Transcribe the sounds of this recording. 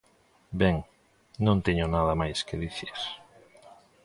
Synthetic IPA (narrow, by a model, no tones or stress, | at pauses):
bɛŋ | nõnt̪eɲonaðamajskeðiθis